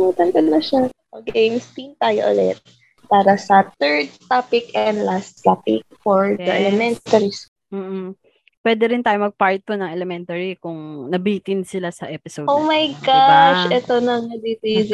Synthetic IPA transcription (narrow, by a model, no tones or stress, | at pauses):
muːt̪ɐnd̪ɐd̪lɐʃaʔɐɡejmst̪int̪aːjo̰ʔɐ̰lɛ̰t̪̚ | paːɾɐsɐt̪ɛɹd̪̚t̪apɪkɛnd̪last̪t̪apɪ̰k̚fɔɹd̪ɐʔɛlɛmɛnt̪ɐɾisk | m̩ːʔ̩ | pwɛd̪ɛɾɪnt̪aːjomɐɡ̚paɹt̪̚ːonɐŋɛlɛmɛnt̪ɐɹikʊŋnɐbiːt̪ɪnsɪlasɐʔɛːpɪsowʔowmɐjɡaʃʔɛt̪onɐŋɐd̪it̪iz